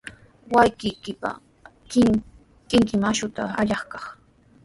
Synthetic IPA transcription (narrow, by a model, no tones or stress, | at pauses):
wajkɪjkɪpa̰ | kɪŋkɪmaʃʊt̪aaʎɑχkɑχ